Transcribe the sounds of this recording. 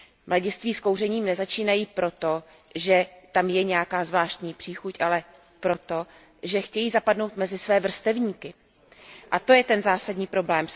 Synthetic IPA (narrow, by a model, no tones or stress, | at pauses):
mlaɟɪst̪viːsko̞wrɛɲiːmnɛzat͡ʃiːnajiːpɾo̞t̪o̞ | ʒɛt̪amjɛɲɛjakaːzvlaːʃt̪ɲiːpr̝̥iːxucʔalɛ | pɾo̞t̪o̞ | ʒɛxcɛjiːzapadno̞wt̪mɛzɪsvɛːvr̩st̪ɛvɲiːkɪ | ʔat̪o̞jɛt̪ɛnzaːsadɲiːpɾo̞blɛːm